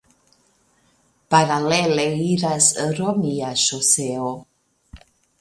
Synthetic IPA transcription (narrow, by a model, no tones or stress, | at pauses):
paɾaleleiɾasəɾomiaʃoseo